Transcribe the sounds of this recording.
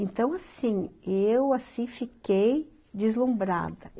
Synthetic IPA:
ẽnt̪ɐ̃w̃asĩewasĩfikej | d͡ʒɪzlũmbɾa̰d̪ɐ

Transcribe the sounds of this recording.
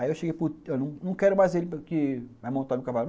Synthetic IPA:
aiewʃeɡejpuewnɐ̃w̃nɐ̃w̃kɛɾʊmajzelɪpkɪvajmõnt̪aɾmewkavalʊm

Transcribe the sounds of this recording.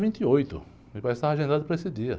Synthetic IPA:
vĩnt̪ɪojt̪ʊ̰ | ɪvajɪst̪aɾaʒẽnd̪ad̪ʊpɾɐesɪd̪iɐ̰

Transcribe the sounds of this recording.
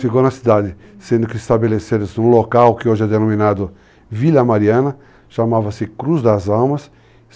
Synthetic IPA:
fikownɐsid̪ad̪ɪ | sẽnd̪ʊkɪːst̪abeleseɾɪzũlokawkɪoʒɛd̪enõmĩnad̪ʊ | vilɐmaɾiɐ̃nɐ | ʃamavɐsɪkɾuzd̪ɐzawmɐs

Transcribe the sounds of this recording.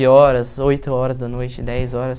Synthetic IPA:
ɪɔɾɐsojt̪ʊɔɾɐzd̪ɐnojt͡ʃɪd̪ɛzɔɾɐs

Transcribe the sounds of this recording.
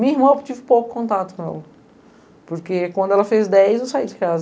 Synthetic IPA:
mĩiɦmɐ̃w̃t͡ʃivɪpowkʊ̥kõnt̪at̪ʊ̥kõɛ̰lɐ | poɾkekwɐ̃d̪ʊɛlɐfezd̪ɛjzewsaid͡ʒɪkaz

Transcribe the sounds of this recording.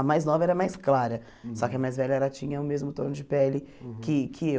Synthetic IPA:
ɐmajznɔvɐɛɾɐmajsklaɾɐ | sɔkɪɐmajzvɛʎɐɛlɐt͡ʃĩɲɐʊmezmʊt̪o̰ɾnʊd͡ʒɪpɛlɪkʰɪkʰɪe

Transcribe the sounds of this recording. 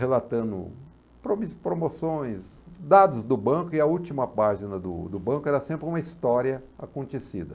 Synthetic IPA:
helat̪ɐ̃d̪ʊ̰ | pɾomispɾomosõj̃sd̪ad̪ʊzd̪ʊbɐ̃kʊɪɐut͡ʃimɐpaʒinɐd̪ʊ̰d̪ʊbɐ̃kʊɛɾɐsẽmpɾɪũmɐist̪ɔɾiɐa̰kõnt̪esḭd̪ɐ

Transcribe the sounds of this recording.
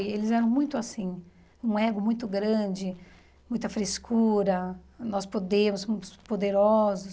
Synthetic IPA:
jelɪzɛɾɐ̃w̃mũj̃t̪ʊasĩ | ũɛɡʊmũj̃t̪ʊɡɾɐ̃d͡ʒɪ | mũj̃t̪ɐfɾeskʰuɾɐnɔspod̪ẽmʊsspod̪eɾɔzʊs

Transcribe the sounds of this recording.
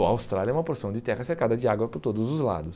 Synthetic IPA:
ɐawst̪ɾalʲjiɐɛũmɐpoɾsɐ̃w̃d͡ʒɪt̪ɛʁɐseɾkad̪ɐd͡ʒɪaɡwɐpʊɾt̪od̪ʊzʊzla̰d̪ʊs

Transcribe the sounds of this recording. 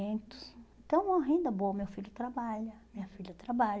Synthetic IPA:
ẽt̪ʊ̥sẽt̪ɐ̃w̃vɐ̃w̃ɐɦĩnd̪ɐboɐmewfiʎʊt̪ɾabaʎɐmĩɲɐfiʎɐt̪ɾabaʎ

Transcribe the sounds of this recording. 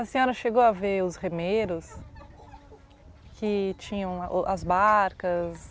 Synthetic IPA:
ɐseõnɐʃeɡowɐveʊsʁemeɾʊs | kɪt͡ʃĩɲɐ̃w̃ʔʔɐzbaɾkɐs

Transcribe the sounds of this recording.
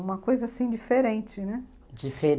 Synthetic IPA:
ũmɐkojzɐasĩd͡ʒifeɾẽt͡ʃɪnɛ | d͡ʒife

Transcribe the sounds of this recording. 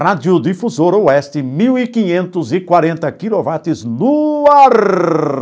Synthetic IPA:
ad͡ʒ̪jʊd̪ifuzoɾoɛst̪ɪmiwikiɲẽnt̪ʊzɪkwaɾẽnt̪ɐkilovat̪ɪznuaɾ

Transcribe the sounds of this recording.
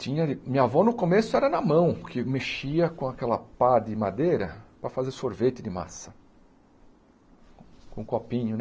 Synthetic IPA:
t͡ʃĩɲɐɪmĩɲavɔnʊkomesʊɛɾɐnɐmɐ̃w̃kʰɪmeʃiɐkõakɛlɐpad̪ɪmad̪ejɾɐpɾɐfazeɾsoɾvet̪ɪd̪ɪma̰sɐ̥ | kõkopĩɲʊn

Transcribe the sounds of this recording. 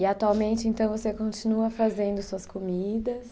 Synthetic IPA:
ɪat̪uawmẽnt͡ʃɪẽnt̪ɐ̃w̃vosekõnt͡ʃinuɐfazẽnd̪ʊsuɐskomid̪ɐs

